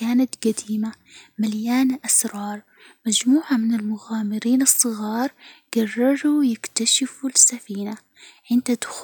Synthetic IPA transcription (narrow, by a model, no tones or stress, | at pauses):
aːnat̪ɡad̪iːmamaljaːnʔasɾˤɑːɾˤ | mad͡ʒmuːʕamɪnɪlmʊɣaːmɪɾiːnɨsˤːɨɣɑːɾˤɡ̥ɑrˤːɑɾujɪkt̪aʃɪfulsafiːna | ʕɪnt̪ad̪x